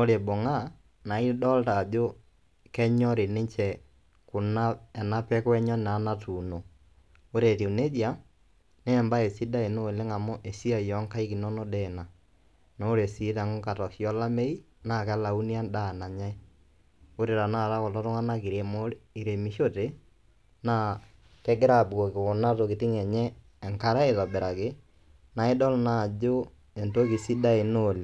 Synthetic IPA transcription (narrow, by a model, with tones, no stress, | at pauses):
o˦ɾe˨bo˨ŋa˦ | na˨i˦dɔ˦lta˨ʄo˦ | kɛ˦ɲɔ˦ɾe˨ne˦ɲt͡ʃɛ˨ | ku˨na˦ɛ˨na˦pɛ˦kwɛ˦ɲɔ˦na˨˦na˦tu˨no˨ | o˦ɾe˨ti˨u˨ne˦ðja˦ | nɛː˦˨mba˦e˨si˦da˦e˨no˦e˨le˦ŋa˨mo˦ʔe˨si˦a˨jɔ˨˦ŋka˦i˦ki˨nɔ˦no˦dɛ˦˨na˨ | no˦ɾe˨si˨˦ta˨ŋo˦ka˨tɔ˨ʃjɔ˦la˦me˦i˦ | na˨kɛ˦la˨u˦ni˦a˦nda˦˨na˨ɲa˦e˦ | o˦ɾe˨ɾa˨na˦˨ɾa˦ko˨lɔ˦ɾo˦ŋa˦na˦ki˨ɾe˨mo˦ɾi˨ɾe˨mi˨˦ʃo˦te˦ | na˦˨ | kɛ˦ɡɪ˦ɾa˦˨bɣo˨ke˨o˨na˦to˨ki˨ti˦ŋɛ˨ɲɛː˦˨ | ŋka˦ɾa˦e˨ðɔ˨be˨ɾa˨ke˦ | na˨e˦dɔ˦lna˨d͡ʒo˦ | e˨nto˦ki˨si˦da˦e˨no˦˨le˨